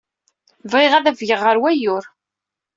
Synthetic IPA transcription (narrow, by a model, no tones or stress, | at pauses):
vʁɪʁæðævʝəʁːəɾwæjʊɾ